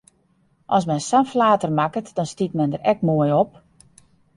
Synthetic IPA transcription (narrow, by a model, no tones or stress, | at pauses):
ʔɔs̬mɛnsanflaːtərmakətdɔnstitmɛndəɾɛkmoəjop̚